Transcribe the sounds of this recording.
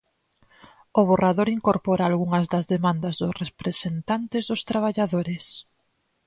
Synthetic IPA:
ʊβ̞oraðoɾiŋkoɾpɔɾaːlɣuŋɐzðɐzðemãnd̪ɐzðʊsrepɾesent̪ant̪ɪzðʊst̪ɾaβ̞aʎaðoɾes

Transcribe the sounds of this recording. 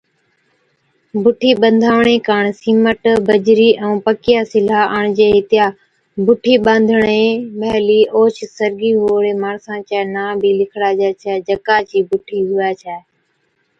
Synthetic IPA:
bʱʊʈʰiːɓə̃nd̪ʱaːʋɳeːkaːɳsiːməʈbəd͡ʒɾiːʔɛ̃uːpəkɪjaːsɪlaːaːɳd͡ʒeːɦɪt̪ɪjaː | bʱʊʈʰiːɓãːnd̪ʱəɳeːmɛːliːʔoːt͡ʃsəɾɡiːɦuːɽeːmaːɳsãːt͡ʃaːnãːbʱiːlɪkʰɽaːd͡ʒaːt͡ʃʰɛːd͡ʒəkaːt͡ʃiːbʊʈʰiːɦuːaːt͡ʃʰɛː

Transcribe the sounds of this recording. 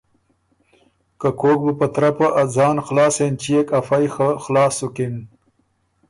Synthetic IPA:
kakʰoːk̚bəpɐt̪ɾapɐʔad͡zɑːnxlɑːsent͡ʃijekafajxxlɑːsukin

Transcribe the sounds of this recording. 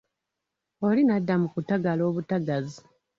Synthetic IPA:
o̞linadːamukutaɡalo̞ːβutaɡazi

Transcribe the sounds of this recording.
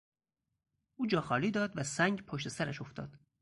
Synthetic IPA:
ʔuːd͡ʒɒːxɒːliːd̪ɒːd̪væsæŋɡpʰoʃt̪e̞sæɾæʃoft̪ʰɒ̰ːd̪̥

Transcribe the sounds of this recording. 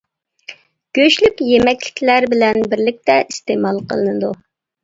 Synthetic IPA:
ɡ̥ʲøʃlykʲjemɛkʲlɪ̥kʲʰlæɾbɪlɛnbɪɾlɪk̚ʲt̪ɛʔist̪emɑlˠqə̰lˠɨnɨd̪u

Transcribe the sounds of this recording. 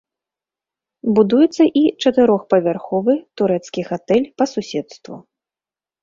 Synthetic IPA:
bud̪ujɛt̪sːɐʔit͡ʂɐt̪ɨɾɔxpɐvʲarxɔvɨt̪uɾɛt̪skʲixat̪ɛlʲpɐsusʲɛt̪st̪vṵ

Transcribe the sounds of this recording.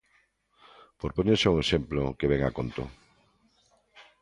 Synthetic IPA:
poɾpoɲẽsauŋesemplokeβɛŋakont̪o̰

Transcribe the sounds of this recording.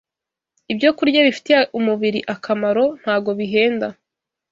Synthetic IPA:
ibɟo̞kuɾɟaβifi̥teumuβiɾiʔakʰamaɾo̞n̥haːbɡo̞βiɦe̞ːnda

